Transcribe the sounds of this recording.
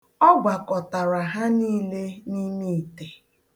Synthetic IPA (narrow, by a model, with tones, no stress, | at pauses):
ɔ˦ɡʷa˨kɔ˨ta˨ɾa˨ɦa˦niː˦le˦ni˦mi˦i˨te˨